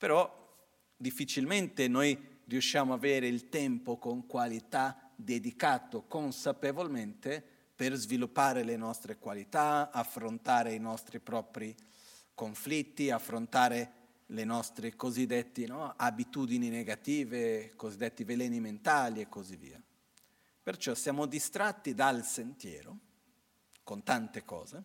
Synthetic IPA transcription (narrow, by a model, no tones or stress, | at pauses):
peɾɔ | d̪ifːit͡ʃilment̪enojrjuʃːjaːmoavɛːɾeilt̪ɛmpokoŋkwalit̪ad̪ed̪ikaːt̪okonsapevolment̪e | perzvilupːaːɾelenɔst̪ɾekwalit̪aafɾont̪aːɾeinɔst̪ɾipɾɔːpɾi | koɱflit̪ːiafːɾont̪aːɾe | lenɔst̪ɾikozid̪ːet̪ːinɔabit̪uːd̪inineɡat̪iːvekozid̪ːet̪ːivelɛːniment̪aːliekːozivːḭːa | pert͡ʃɔsjaːmod̪ist̪ɾat̪ːid̪alsent̪jɛ̰ːɾo | kont̪ant̪ekɔ̰ːze